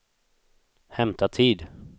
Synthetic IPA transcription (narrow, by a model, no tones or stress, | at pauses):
hɛmt̪ʰat̪ʰiːd̪